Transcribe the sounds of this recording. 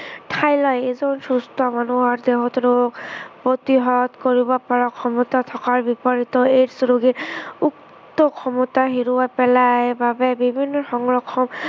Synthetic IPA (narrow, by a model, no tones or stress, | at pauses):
tʰajlɔjezɔnsust̪ʰɔmanuɦɔɹd̪eɦɔt̪ɹoɡpɹot̪iɦɔt̪koɹibɔpaɹakʰɔmɔt̪at̪ʰɔkaɹbipɔɹit̪ɔeɹsɹoɡeuk | t̪ɔkʰɔmɔtaɦiɹuwapɛlajbabɛbibʱinːɔxɔŋɹɔkʰːɔm